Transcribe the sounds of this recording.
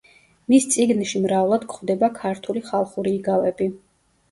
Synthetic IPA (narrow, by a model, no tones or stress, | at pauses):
mist̪sʼiɡnʃimɾavlˠad̪̥kχwvd̪ɛbakʰaɾt̪ʰuliχalˠχuɾiːɡalɛbi